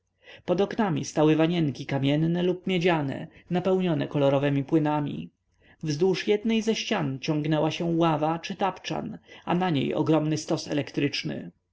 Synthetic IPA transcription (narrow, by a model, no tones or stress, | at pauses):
pɔd̪ɔknamʲḭst̪awɘvaɲɛŋkʲikamʲjɛnːɛlup̚mʲjɛd͡ʑanɛ̰napɛwɲɔnɛkɔlɔɾɔvɛmʲipwɘnamʲḭ | vzd̪wuʂjɛd̪nɛjzɛɕt͡ɕant͡ɕɔŋɡnɛwaɕɛwavat͡ʂɘt̪apt͡ʂa̰na̰naɲḛjɔ̰ɡɾɔmnɘst̪ɔsɛ̰lɛkt̪ɾɘt͡ʂnɘ̰